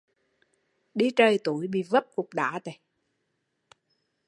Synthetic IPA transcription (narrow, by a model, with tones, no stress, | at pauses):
ɗi˧t͡ɕəː˧˩jt̪u˧˩˦əjɓḭ˧˨və˦˥p̚kʊ˨˩k͡p̚ɗa̰ː˧˨˦t̪e˨˩˦